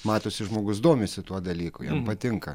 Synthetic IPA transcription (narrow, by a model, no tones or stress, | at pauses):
mɑːt̪oːsʲɪʒmoːɡʊsd̪oːmʲesʲɪt̪uɔd̪ɐlʲiːkʊjɛmpɐt̪ʲɪŋkɐ